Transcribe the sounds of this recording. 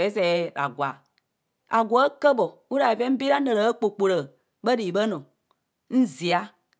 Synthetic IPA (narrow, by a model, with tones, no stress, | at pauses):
ɛ˨˦sɛ˨˦˨la̰˨ɡwa˨ | a˨ɡʷɔ˨˦ə˦kə˦bɔ˨wu˦la˨i˨fɛ˦m̩˦bi˦ɾa˦nə˨lə˨˦ə˦k͡po˨k͡po˨lə˨ | ɓə˦ɖi˨i˨ɓə˦nɔ̃˨ | n̩˦zi˨a˦